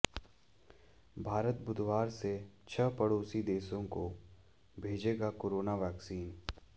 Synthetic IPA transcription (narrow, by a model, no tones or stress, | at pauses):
bʱaːɾət̪bʊd̪ʱwaːɾset͡ʃʰəpəɽoːsid̪eːsõko | bʱeːd͡ʒeːɡakoːɾoːnaʋɛːksiːn